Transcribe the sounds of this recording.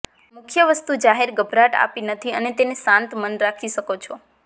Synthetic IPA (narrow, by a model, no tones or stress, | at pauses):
mʊkʰjəʋəst̪ud͡ʒaɦeɾɡəbʱɾaʈa̰pinət̪ʰiənet̪enesãnt̪mənɾakʰiʃəkot͡ʃʰɔ